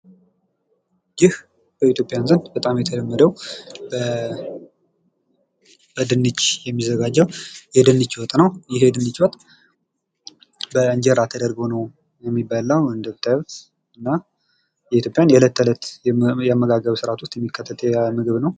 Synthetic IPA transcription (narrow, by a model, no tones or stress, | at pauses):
jɪh | b̥əit̪jopʼjanzənd̪bət̪ʼamjɛt̪ʰələmːəd̪əwbə | b̥əd̪ɨnːɨt͡ʃːjɛmːizəɡad͡ʒːəwjɛd̪ɨnːɨt͡ʃːwɔt̪ʼnəwjɪɦed̪ɨnːɨt͡ʃːwɔt̪ʼ | bəɨɲd͡ʒɛɾat̪ʰːəd̪əɾɡonəw | jɛmːibːalːəwɨnd̪ət̪ʰʼːət̪ | ɨnːa | jɛit̪jo̞pʼjanjɛlət̪ʰːələt̪jɛamːəɡaɡəβsɨɾat̪wʊst̪jɛmːikʰːət̪ʰːət̪ʰʼmɨɡɨβnəw